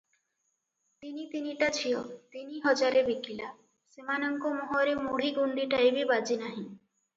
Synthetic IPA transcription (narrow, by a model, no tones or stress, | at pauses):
t̪init̪iniʈat͡ʃʰiɔt̪iniɦɔd͡ʒaɾebikila | semanɔŋkomɔɦoɾemuɽ̤iɡuɳɖiʈaebibad͡ʒinaɦĩ